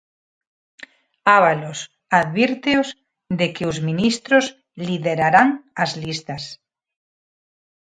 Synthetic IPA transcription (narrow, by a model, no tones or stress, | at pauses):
aβalos | aðβiɾt̪eoz | d̪ekeozmĩnist̪ɾoz | liðeɾaɾaŋazlist̪as